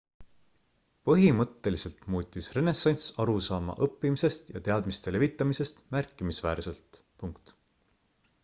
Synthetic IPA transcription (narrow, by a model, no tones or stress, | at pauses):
pɤɦimɤt̪ːe̞lise̞lt̪muːt̪ʲːisre̞ne̞sɑnʲsɑɾusɑːmɑ̰ʔɤpːimise̞st̪jɑ̰t̪e̞ɑd̪mist̪e̞le̞vit̪ːˑɑmise̞st̪mærkːˑimisvæːɾse̞lt̪puŋkt̪